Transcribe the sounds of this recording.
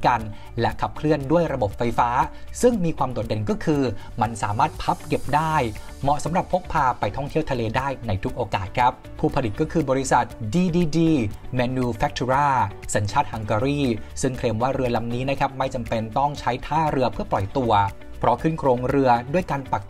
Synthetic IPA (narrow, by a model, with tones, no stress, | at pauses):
ka˧n | lɛ˦˥ʔkʰa˨˩p̚kʰlɯ˥˩əndu˥˩əjɾa˧bo˨˩p̚fa˧jfaː˦˥sɯ˥˩ŋmiː˧kʰwaː˧mdu˨˩t̪̚de˧nkɔː˥˩kʰɯː˧ma˧nsaː˩˦maː˥˩t̪̚pʰa˦˥p̚ke˨˩p̚daː˥˩j | mɔ˨˩sa˨˩˦mɾa˨˩pʰːo˦˥k̚pʰaː˧pa˧jt̪ʰɔ˥˩ŋt̪ʰi˥˩əwt̪ʰa˧leː˧daː˥˩jna˧jt̪ʰu˦˥k̚ʔoː˧kaː˨˩t̪̚kʰɾa˦˥p̚ʰuː˥˩pʰa˧di˨˩t̪̚kːɔː˥˩kʰɯː˧bɔː˧ɾi˦˥sa˨˩t̪̚diː˧diː˧diː˧mɛː˧nuː˧fɛ˦˥k̚t̪ʰu˧ɾaː˥˩sa˩˦nt͡ɕʰaː˥˩t̪̚ha˧ŋkaː˧ɾiː˥˩sɯ˥˩ŋkʰleː˧mwaː˥˩ɾɯ˧ɐla˧˥mniː˦˥na˦˥kʰa˦˥p̚ma˥˩jt͡ɕa˧mpe˧nt̪ɔ˥˩ŋt͡ɕʰa˦˥jt̪ʰaː˥˩ɾɯ˧ɐpʰɯ˥˩ɐplɔ˨˩jt̪u˧ɐ | pʰɾɔ˦˥kʰɯ˥˩nkʰɾoː˧ŋɾɯ˧ɐdu˥˩əjkaː˧npa˨˩k̚